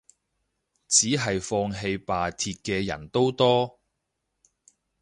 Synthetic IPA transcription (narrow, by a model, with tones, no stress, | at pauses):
t͡siː˨˥ɦɐ˨jfɔː˧ŋɦe˧jpaː˨t̪ʰiː˧t̚kɛː˧jɐ̰˨˩nt̪o˥wt̪ɔː˥